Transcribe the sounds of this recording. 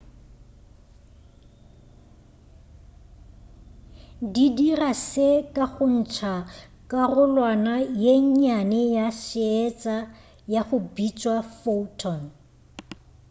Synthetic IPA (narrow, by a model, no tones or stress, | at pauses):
didirasekʼaɣʊn̩t͡ʃʰa | kʼarʊlwanajeɲanejaʃɪɛt͡sʼa | jaχʊbit͡ʃʼwafoutʰɔn